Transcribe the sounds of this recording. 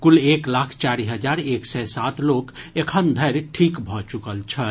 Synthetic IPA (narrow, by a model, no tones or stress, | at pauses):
kʊleːklakʰt͡ʃaɾiɦəd͡ʒaːɾeːksɛsat̪loːkekʰənd̪ʱəɾʈʰiːkbʱɔt͡ʃukəlt͡ʃʰə